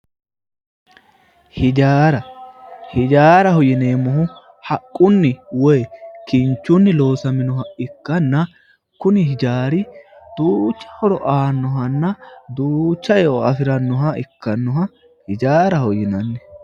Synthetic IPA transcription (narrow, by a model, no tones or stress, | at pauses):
hɪd͡ʒaːɾɐhɪd͡ʒaːɾɐhɔjɪneːmːɔhʊ | hɐkʼːʊnːɪwɔjkɪnt͡ʃːʊnːɪlo̞ːsɐmɪnɔɦɐɪkːɐnːɐ | kʊnɪɦɪd͡ʒaːɾɪ | d̪̥uːt͡ʃːɐ̥hɔɾɔʔaːnːɔɦɐnːɐd̪uːt͡ʃːɐjoɐfɪɾɐnːɔɦɐɪkːɐnːɔɦɐ | hɪd͡ʒaːɾɐhɔjɪnɐnːɛ